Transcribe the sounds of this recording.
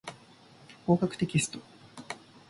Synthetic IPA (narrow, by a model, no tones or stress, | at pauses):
ko̞ːkakɯ̟t̪ekʲiesɨ̥t̪o̥